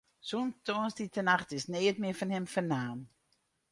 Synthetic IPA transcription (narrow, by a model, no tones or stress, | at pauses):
suntonsditənaχtɪsneːtmɪfɔnhɪmfənaːm